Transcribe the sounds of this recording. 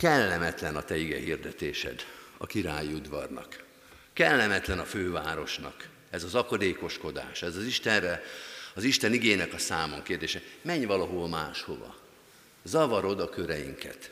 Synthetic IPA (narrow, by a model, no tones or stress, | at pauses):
kɛlːɛmɛt̪lɛnɒt̪ɛiɡɛ̰ɦird̪ɛt̪eːʃɛ̰d̪ɒ̰kiɾaːjiud̪ʋɒrnɒ̰kː | ɛlːɛmɛt̪lɛnɒføːvaːɾo̞ʃnɒ̰k | ɛzɒzɒkɒd̪eːko̞ʃko̞d̪a̰ːʃɛzɒziʃt̪ɛnrɛɒziʃt̪ɛniɡeːnɛkɒsaːmoŋkeːrd̪eːʃɛmɛɲvɒlɒɦolmaːʃho̞vɒ̰ | zɒvɒɾo̞d̪ɒkøɾɛjḭŋkɛ̰t̪